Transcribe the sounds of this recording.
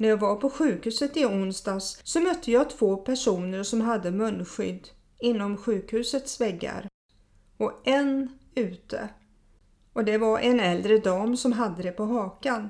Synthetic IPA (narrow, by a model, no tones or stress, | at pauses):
næɾjɑːɡvaɾpʰɔɧʉ̟ːkhʉ̟ːsət̪ɪʊnst̪ɑːsːɔmœt̪ʰːəjɑt̪ʰv̥oːpʰæʂuːnəɾʂɔmɦad̪ːəmɵnːɧʏ̰d̪ː | ɪnːɔmɧʉ̟ːkhʉ̟ːsət̪svɛɡːa̰ɾ | ɔʔɛnʉ̟ːt̪ʰə̰ | ʔɔd̪ɛvaɾʔɛnɛld̪ɾəd̪ɑːmsɔmɦad̪ːəd̪ɛpɔɦɑːkan